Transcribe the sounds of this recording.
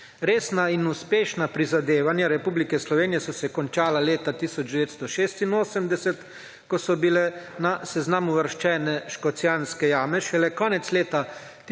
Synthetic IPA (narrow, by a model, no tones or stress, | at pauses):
ɾeːsnainuspeːʃnapɾizad̪eːʋanjaɾɛpuːblikɛslɔʋeːnijɛsɔsɛkɔnt͡ʃaːlaleːt̪at̪isɔd͡ʒd̪ɛʋeːt̪st̪ɔʃeːst̪inoːsɛmd̪ɛsɛt̪ | kɔsɔbilɛnasɛznaːmuʋəɾʃt͡ʃɛːnɛʃkɔt̪sjanskɛjaːmɛʃɛlɛkɔːnɛt̪sleːt̪a